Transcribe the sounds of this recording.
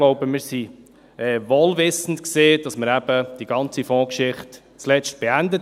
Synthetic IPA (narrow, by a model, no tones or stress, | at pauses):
loʊbəmɪːɾsi | ɛːʋoːlvɪsn̩tkseːd̥ɑsməɾæb̥əd̥iɡ̥ɑnt͡sifɔ̃ːkʃɪχt | t͡slɛt͡ʃt̚b̥eændə